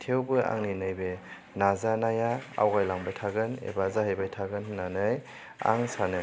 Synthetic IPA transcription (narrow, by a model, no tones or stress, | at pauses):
tʰewbɯa̰ŋninɯjbe | nazanajaa̰wɡajlaŋbajtʰaɡɯnḛbazaɦajbajtʰaɡɯnnːanɯj | a̰ŋsanɯ